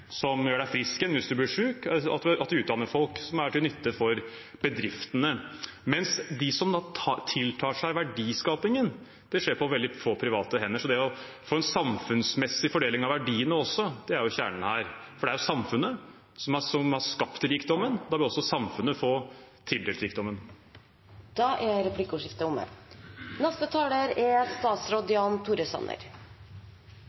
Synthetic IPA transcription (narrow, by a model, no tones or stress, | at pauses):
sɔmjøːɖæɪfɾɪskənʋɪsd̪ʉblɪʂʉːkɑ̰t̪d̪ɑt̪d̪ʉːt̪̚d̪ɑnːəɾfɔlksɔmæʈɪlnʏt̪ʰːəfɔɾ | b̥əd̪ɾɪft̪ənəmɛnsd̪ɪsɔmd̪ɑt̪ʰɪlt̪ʰɑːʂæɪʋæɖiːskɑːpɪŋən | d̪̥ɛʂeːɾpʰɔʋɛld̪ɪfoːpʰɾɪʋɑːt̪əɦɛnːəʂɔd̪ɛæɔ | foːɛnsɑmfʉnsmɛsːɪfɔɖeːlɪŋɑʋæɖiːənəɔsːɔd̪̥ɛæɾjʊçæ̰ːɳɳ̩hæːɾfɔɖɛæɾjʊsɑmfʉnːə | sɔmɑsɔmhɑɾʂkɑpt̪ɾiːkd̪ɔmːənɔd̪ɑbəɔsːɔsɑmfʉnːəfoːt̪ʰɪld̪eːlɾiːk̚d̪ɔmːən | d̪̥ɑːʔɛɾɛpʰlɪkːəʊʂɪft̪əʊmə̰nɛst̪ət̪ʰɑːləɾɛst̪ɑːt̪sɾɔd̪ɪɑnt̪ʰuɾəsɑ̰nə̰ɾ